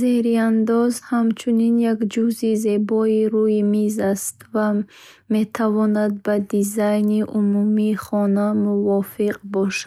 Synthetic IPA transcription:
zehɾiand̪ɔzhamt͡ʃʰuninjakd͡ʒuzize̞bɔiɾujimizast̪va | me̞t̪ʰavɔnad̪̚bad̪izajniʔumumiːχɔnamuvɔfiqbɔʃa

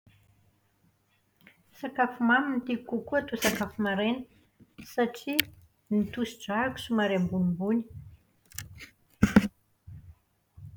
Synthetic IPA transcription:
sakafumamint̪ikukuat̪usakafumaɾenə̥ | saʈ͡ʂi | nit̪usiɖ͡ʐaku̥sumaɾembunimbuni̥

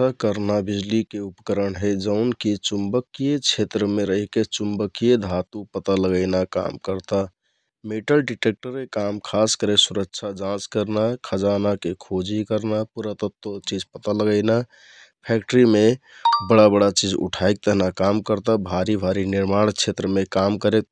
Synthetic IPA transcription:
əkəɾnabid͡ʒlikeupəkəɾəɳɦed͡ʒəʊnkit͡ʃumbəkijet͡ʃʰet̪ɾəmeɾəɦiket͡ʃumbəkijed̪ʱat̪upət̪aləɡəɪnaka̰mkəɾt̪a | meʈəlɖiʈek̚ʈəɾekamkʰaskəɾesuɾəkt͡ʃʰad͡ʒãt͡ʃkəɾnakʰəd͡ʒanakekʰod͡ʒikəɾnapuɾət̪ət̪wot͡ʃid͡ʒpət̪aləɡəɪna | pʰɛk̚ʈəɾimebəɽabəɽat͡ʃid͡ʒṵʈʰajk̚t̪əɦnakamkəɾt̪abʱaɾibʱaɾiniɾmaɽ̃t͡ʃʰet̪ɾəmekamkəɾek̚

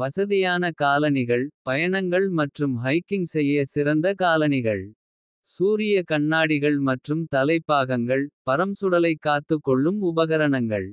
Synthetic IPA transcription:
ʋɐsɐðɪjaːnɐkaːlɐnɪɣɐɭpɐjɐɳɐŋɡɐɭmɐʈrɯmɦɐɪkːɪŋsɛjːɐsɪɾɐnd̪ɐkaːlɐnɪɣɐɭ | suːɾɪjɐkɐɳːaːɽɪɣɐɭmɐʈrɯmt̪ɐlɐɪpːaːɣɐŋɡɐɭpɐɾɐmsʊɽɐlɐɪkːaːt̪ːɯkːɔɭːɯmʊbɐɣɐɾɐɳɐŋɡɐ̰ɭ

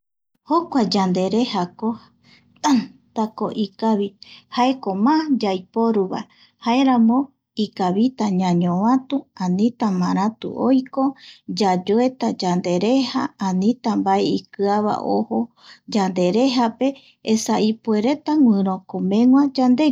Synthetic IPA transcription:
hokʷad͡ʒand̪e̞ɾe̞hako | at̪akoʔikaβihaekomad͡ʒajpo̞ɾuβa̰ | hae̞ɾãmõ̞ | ikaβit̪aɲãɲõβãt̪uãnĩt̪amãɾ̃ãt̪ṵʔojko̞d͡ʒad͡ʒoet̪ad͡ʒand̪e̞ɾe̞haãnĩt̪ambaeikɨaβa̰ʔo̰ho | d͡ʒand̪e̞ɾe̞ɦape̞ː | saipueɾe̞t̪aŋʷɨ̃ɾõkomẽ̞ŋwãd͡ʒand̪e̞

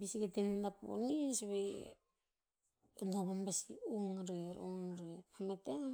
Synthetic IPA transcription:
bisiɡetenendapo̰nisβe | naβanbasḭoŋɾeɾoŋɾehamete

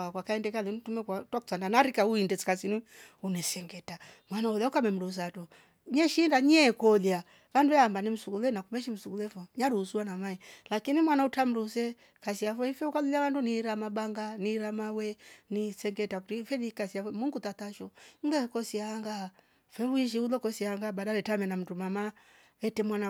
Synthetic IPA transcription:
akwakaɛndɛkalɛnitumɛkatwaku̥sandanaɾikauindɛsi̥kasini | unɛsɛŋɡɛta | mwanaɔlaukamɛm̩ɾus̬atɔ | ɲɛʃindaɲɛkɔlja | βanduɛambanim̩suɡulɛnakumɛʃim̩suɡulɛfɔɲaɾusuanamaɛlakinimwanautam̩ɾus̬ɛ | kasiafɛifɛukalilawanduniɾamabaŋɡaniɾamawɛnisɛŋɡɛtautifɛnikasiafɛmuŋɡutataʃɔŋ̩ɡɛkɔsiaŋɡa | fɛβuiʃ̬iulɔkɔsiaaŋɡabadaɾɛtamɛnam̩tumama | ɛtɛmwana

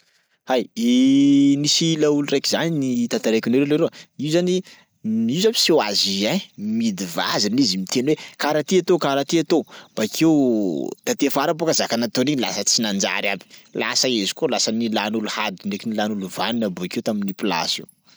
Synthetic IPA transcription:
hajinisilaulurekizaninit̪at̪aɾekiniɾeleɾeaiuzani | miuzamiswa̰ziamid̪iva̰zinizimit̪enwekaɾat̪iat̪okaɾat̪iat̪ob̥akʰewt̪at̪efaɾabokazakanat̪oniɲila̰sət͡sinand͡ʒa̰ɾja̰bi̥la̰səezi̥kolasənilanuluhad̪unekinilanuluva̰nunabuakewt̪aminipila̰sḭ

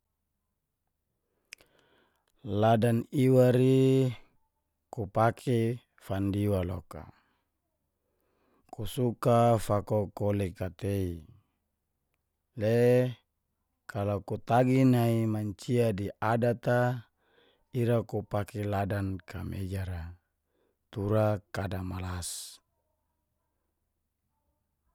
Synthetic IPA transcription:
ladaniwaɾi | kupakʰe | fandiwalo̰ka̰ | kusukafakokolekat̪ei | le | kalakut̪aɡinaimaɲt͡ʃiadiʔadat̪a | iɾakupakeladankʰamʔḛd͡ʒaɾa | t̪uɾakadamalas

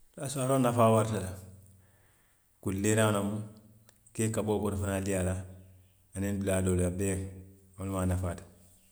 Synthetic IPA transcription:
lasuaɾoːnafaːwaɾtala | kuleɾanomu | keːkaboːboɾfanaliala | anenbuladoːlabeŋ | onmanafaːd

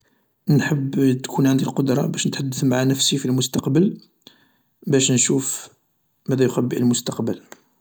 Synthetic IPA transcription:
nħəbːt̪kʰunʕand̪ilqod̪ɾˤɑbæʃnət̪ħad̪ːəθmaʕanəfsifilmʊst̪ɑqbəl | bæʃnʃuf | mæd̪æjxæbːiʕəlmʊst̪ɑqbəl

